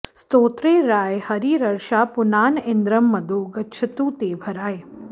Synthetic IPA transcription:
st̪oːt̪ɾeːɾaːjhɐɾiɾɐɾʃaːpʊnaːnɪnd̪ɾɐmːɐd̪oːɡɐt͡ʃʰɐt̪uːt̪eːbʱɐɾaːj

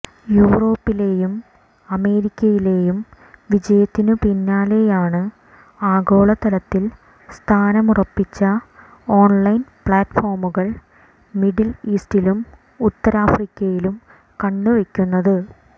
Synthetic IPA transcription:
juːro̞ːpːile̞jum | ɐme̞ːɾikʲːɐjile̞ːjum | ʋid͡ʑɐjɐt̪ːinɨpinːaːle̞jaːɳɨ | aːɡo̞ːɭɐt̪ɐlɐt̪ːil | st̪ʰaːnɐmurɐpːit͡ɕːɐ | o̞ːnlɐjnpɭaːtfo̞ːrmuɣɐɭ | miɖiliːstilum | ut̪ːɐɾaːfrikʲːɐjilum | kɐɳːuʋekʲːunːɐðɨ

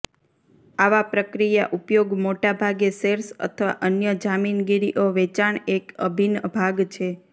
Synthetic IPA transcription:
aʋapɾəkɾijaʔupjoɡmoʈabʱaɡeseɾsə̰t̪ʰəʋa̰ʔənjəd͡ʒaminɡiɾiʔoʋet͡ʃaɳekəbʱinbʱaɡt͡ʃʰe

